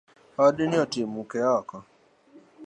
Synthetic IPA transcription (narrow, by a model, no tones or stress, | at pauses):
ɔdɪnɪɔtɪmukɛakɔ